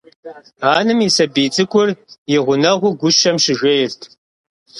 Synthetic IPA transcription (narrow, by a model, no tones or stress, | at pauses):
aːnɨmisɐbiːt͡sʼɨkʷʰʼʊrjɪʁʷʊnɐʁʷʊɡʷʊʃɐmɕɪʒɐjɪrtʰ